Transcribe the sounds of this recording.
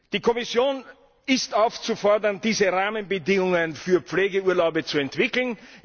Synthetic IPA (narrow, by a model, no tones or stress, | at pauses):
d̥iːkʰɔmɪsjoːn | ɪstaʊft͡sufɔɐdɐndiːzəʁaːmənbədɪŋʊŋənfyːɐpp͡fleːɡəuːɐlaʊbət͡suɛntv̥ɪkl̩n